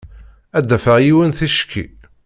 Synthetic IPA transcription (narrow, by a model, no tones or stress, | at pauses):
æd̪ːæfəʁjiwənθiʃkʰːḭ